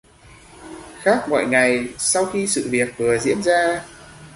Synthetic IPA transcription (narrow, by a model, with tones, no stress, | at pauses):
xaː˦˥k̚mɔ̰˧˨jŋa˨˩jsa˧wxi˧sɨ̰˧˨vi˨˩ət̚vɨ˨˩əzḭ˧˥ənzaː˧